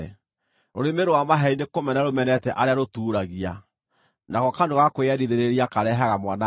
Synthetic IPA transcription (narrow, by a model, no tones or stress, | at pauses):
oɾemeɾoamaɦɛinekomɛnaɾomɛnɛtɛʔaɾeaɾotuːɾaɣia | naɣɔkandoɣakoeɛdiðeɾeɾiakaɾɛɦaɣamwana